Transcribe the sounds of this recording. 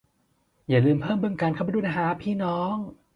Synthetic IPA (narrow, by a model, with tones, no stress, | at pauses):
jaː˨˩lɯː˧mpʰɤː˥˩mbɯ˧ŋkaː˧nkʰpa˧duː˧˩˨na˧˩ɦaː˨˦pʰiː˥˩nɔː˦˥ŋ